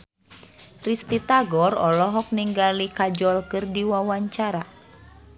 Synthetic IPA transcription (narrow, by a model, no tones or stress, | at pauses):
rist̪it̪aɡɔrɔlɔɦɔk̚niŋɡalikad͡ʒɔlkɨrdiwawaɲt͡ʃaɾa